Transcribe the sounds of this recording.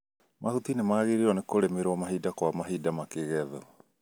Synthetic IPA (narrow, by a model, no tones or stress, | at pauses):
mʔahutinemaːɣeɾiɾɔnekoɾemeɾwɔmaɦidakwamaɦidamakeɣɛðɔ